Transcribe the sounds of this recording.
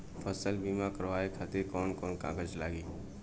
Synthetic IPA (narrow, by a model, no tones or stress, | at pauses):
pʰəsəlbiːmãkəɾʋaːekʰaːt̪ekɔːnkɔːnkã̰ːɡəd͡ʒlaːɡiː